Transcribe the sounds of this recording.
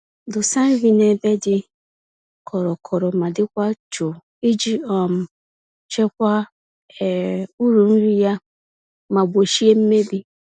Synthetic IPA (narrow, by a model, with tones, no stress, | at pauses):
dʊ˨sa˦n̩˦ɣi˨ne˨be˦dɪ˦ | kʰɔ˨ɾɔ˨kʰɔ˨ɾɔ˨ma˨dɪ˦kʷa˦t͡ʃo˨ | i˦d͡ʒi˦ɔ˨m̩˨ | t͡ʃe˦kʷa˦ | ɛ˨u˦ɾu˨n̩˦ɾi˦ja˦ | ma˨bʷo˨ʃi˦e˦m̩˦me˦bi˦